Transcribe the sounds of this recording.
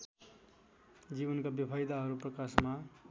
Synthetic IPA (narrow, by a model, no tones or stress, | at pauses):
d͡zibʌnkabjʌpʰajd̪aɦʌɾuprʌkasma